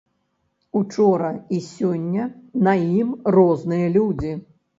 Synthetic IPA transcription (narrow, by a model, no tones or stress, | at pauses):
ut͡ʂɔɾɐisʲɔnʲːɐnɐjimrɔznɨjɐlʲud͡zʲi